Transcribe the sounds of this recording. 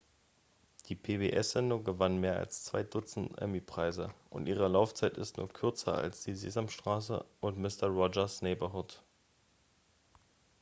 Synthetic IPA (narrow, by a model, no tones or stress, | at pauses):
d̥iːpʰebeːʔɛsz̥ɛndʊŋɡəvanmeːɐa̰lst͡sv̥a̰ɪdʊt͡sn̩tʔɛ̰mipʁ̥aɪzəʔʊ̰ntʔiːʁ̞əlaʊft͡saɪtɪ̰stnṵːɐkʰʏɐt͡sɐa̰lsd̥iːzḛːzamʃtʁ̥aːs̬ə̰ʔʊntmɪstɐʁɔd͡ʒɐsnɛɪbɐɦʊt